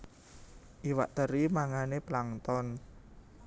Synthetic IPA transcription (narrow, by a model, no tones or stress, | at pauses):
ʔiwa̰ʔt̪əɾimaŋaneplaŋt̪ɔn